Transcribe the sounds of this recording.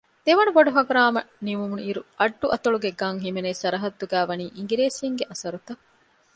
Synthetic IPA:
d̪̥eʋɐnuboɖuɦɐkɐɾaːmɐniʋumuniɾuʔɐɖːuʔɐt̪ɐɭuɡeɡɐŋɦimenesɐɾɐɦɐd̪ːuɡæːʋɐniːʔiŋɡiɾeːsijɐŋɡeʔɐsɐɾut̪ɐ

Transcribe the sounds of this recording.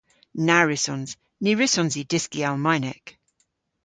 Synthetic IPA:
naɹɪsɔ̃nz̥ | niɹɪsɔ̃nzidɪskialˠmajnɛk

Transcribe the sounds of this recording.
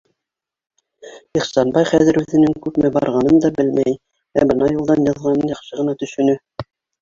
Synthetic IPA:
iχsɑnbɑjχæðɘɾʉðɘ̆nɘŋkʉpmɘbɑɾʁɑnɤnd̪ɑbɘlmæj | æbɤnɑjulˠd̪ɑnjɑðʁɑnɤnjɑχʃɤʁɤ̆nɑt̪ɵ̆ʃɵ̆nɵ

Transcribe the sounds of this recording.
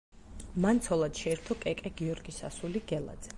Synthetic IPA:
mant̪sʰɔlˠad̪̥ʃɛːɾt̪ʰɔkʼɛkʼɛɡiɔɾɡisa̰suliɡɛlˠa̰d̪zɛ

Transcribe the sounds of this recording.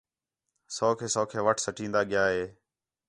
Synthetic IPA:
soːkʰeːsoːkʰeːʋəʈʰsəʈĩːnd̪aːɠɪjaːɦeː

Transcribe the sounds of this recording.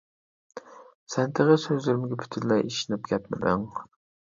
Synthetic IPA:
sɛnt̪ʰɪʁəsøzlɪɾɪmɡʲɛpʰy̥t̪ʰynlːɛjʔiʃinɪp̚ɡʲʰɛt̪mɪ̰d̪ɪŋ

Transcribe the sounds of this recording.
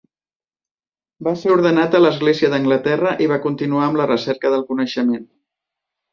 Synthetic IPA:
baseɾuɾðənat̪ələzɣleziəðəŋɡlət̪ɛrəʔiβ̞akunt̪inuaəmlərəsɛɾkəðəlˠkunəʃəmen

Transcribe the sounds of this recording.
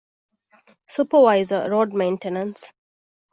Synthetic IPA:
supəʋaɪzəɾɔːɖmẽɪ̃nʈenə̃ns

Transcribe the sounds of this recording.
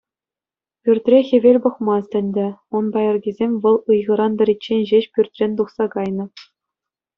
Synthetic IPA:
pʲyrʲt̪ʲrʲexʲĕʋʲelʲbɤ̆χmɑst̪ʲɘ̆nʲd̪ʲɘ̆unbɑjɤ̆rɡʲizʲemʲʋɤ̆lˠɯjʁɤ̆ɾɑnd̪ɤ̆ɾʲit͡ɕːenʲʑeɕpʲyrʲt̪ʲrʲenʲt̪uχsɑkɑjnɤ̆

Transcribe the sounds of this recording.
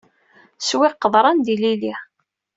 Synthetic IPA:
swɪqːəðˤɾˤɑnd̪ilili

